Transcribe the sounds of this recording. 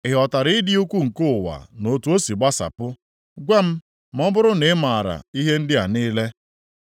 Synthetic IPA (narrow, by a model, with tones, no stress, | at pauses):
ɪ˨ɦɔ˨ta˨ɾɪ˦dɪ˦u˦kʷu˦ŋ̩˨kʊ˦˨wa̰˨no˨tu˦o˦si˨ɡ͡ba˦sa̰˨pʊ˦ | ɡʷe˦m̩˦ | m̩˦ɔ˦bʊ˦ɾʊ˦nɪ˨˦ma˨ɾa̰˨i˦ɦe˦n̩˦dɪ˦a˨niː˦le˦